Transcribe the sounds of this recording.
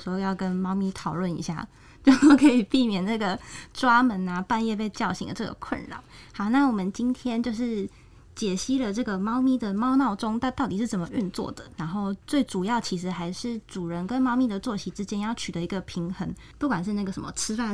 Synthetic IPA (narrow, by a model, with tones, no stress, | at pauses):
xo˥˧jɑ˥˩ʊkə˦nmɑ˥ʊmi˥t̪ʰɑ˨˩ʊlwə˥˩nḭ˨˩ɕja̰˥˩ | t͡ɕjo˥˧ʊ˥˩kʰɤ˧˥i˨˩pi˥˩mjɛ˨˩nna˥˩ɡə˩ʈ͡ʂwa˥mə˧˥na˧pa˥˧njɛ˥˧pe˥˧ɪt͡ɕjɑ˥˩ʊɕḭ˧˥ŋd̪ə˨˩ʈ͡ʂɤ˥˩ɡə̰˩kʰwə̰˥˩nɻa̰˨˦ŋhɑ˨˦ʊna˥˩wɔ˨˩mə˨˦nt͡ɕi˥nt̪ʰjɛ˥nt͡ɕjo˥˧ʊʂɻ̩˥˩ | t͡ɕjɛ˨˩ɕi˥lə˨ʈ͡ʂɤ˥˩ɡə˩mɑ˥ʊmi˥d̪ə˨mɑ˥ʊnɑ˥˩ʊʈ͡ʂʊ˥ŋt̪a˥˧t̪ʊt̪i˨˩ʂɻ̩˥˩t͡sə˨˩nmə˨˩ʔy˥˧nt͡swɔ̰˥˩d̪ə˩ɻa˧˥nxo˥˧ʊt͡swe˥˩ɪʈ͡ʂu˨˩jɑ˥˩ʊt͡ɕʰi˧˥ʂɻ̩˧˥xa˧˥ɪʂɻ̩˥˩ʈ͡ʂu˨˩ɻə˧˦nkə˦nmɑ˥ʊmi˥˩d̪ə˩t͡swɔ˥˩ɕi˧˥ʈ͡ʂɻ̩˥t͡ɕjɛ˥njɑ˥˩ʊt͡ɕʰy˨d̪ə˦i˧˥ɡə˧pʰi˧˥ŋxə˧˦˥ŋ | pu˥˩kwa˨˩nʂ̬ɻ̩˥˧na˥˩ɡə˩ʂə˧˦nmə̰˧t͡sʰɻ̩˥fa˥˩